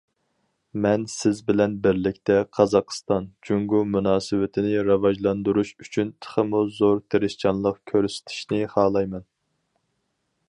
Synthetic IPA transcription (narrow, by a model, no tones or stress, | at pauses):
mɛnsɪzbɪlɛnbɪɾlɪkʲt̪ɛqʰɑzɑqst̪ɑnd͡ʒyŋɡumunɑːsɪwɪt̪ʰɪnɪɾɑvɑʒlˠɑnd̪uɾuʃyt͡ʃʰynt̪ʰə̥χəmuzoɾt̪ʰeɾɪʃt͡ʃʰɑnlˠəqkʲʰøɾsɪ̥t̪ʰɪ̥ʃnɪχɑːlˠɑjmɛn